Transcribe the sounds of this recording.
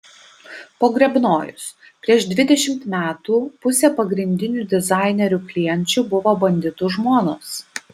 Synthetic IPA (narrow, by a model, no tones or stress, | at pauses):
poːɡɾʲɛbnoːjʊ̰s | pʲɾʲiɛʃd̪ʲʋʲɪd̪ʲɛʃʲɪmt̪mʲæːt̪uːpʊsʲɛpɐɡɾʲɪnʲd̪ʲɪnʲuːd̪ʲɪzɑˑɪnʲɛɾʲʊːklʲɪjɛnʲt͡ʃʲuːbʊʋoːbɐnʲd̪ʲɪt̪ʊʒmoːnoːs